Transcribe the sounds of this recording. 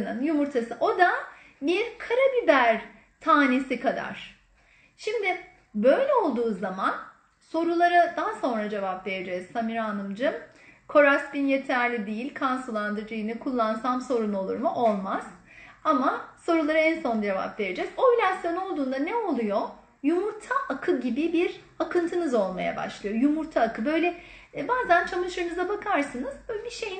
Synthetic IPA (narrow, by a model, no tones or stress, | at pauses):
nɯnjumuɾt̪ʰasɯʔo̞d̪a | biɾkʰaɾabibæɾ | t̪ʰaːne̞sikʰad̪a̰ɾ̝̥ | ʃimd̪ɪ | bø̞jlʲɛo̞lˠd̪uːzaman | so̞ɾulˠaɾad̪aɦaso̞nɾad͡ʒe̞vapve̞ɾed͡ʒɛz̥samiɾaːnɯmd͡ʒɯm | kʰo̞ɾasbinje̞t̪ʰæɾlʲid̪ijilʲkʰansulˠand̪ɯd͡ʒɯjɯnɯkʰulˠːansamso̞ɾuno̞lˠṵɾmuʔo̞lˠmaz̥ | amaso̞ɾulˠaɾaɛnso̞nd͡ʒe̞va̰pve̞ɾed͡ʒɛzo̞ilʲasjo̞no̞lˠd̪uːnd̪anɛo̞lˠujo̞ | jumuɾt̪ʰaʔakʰɯɟibibiɾ | akʰɯnt̪ʰɯnɯzo̞lˠmaja̰ba̰ʃlˠɯjojumuɾt̪ʰaːkʰɯbø̞jlʲɛbaːzænt͡ʃʰamɯʃɯɾnɯzabakʰaɾsɯnɯz̥biʃe̞jin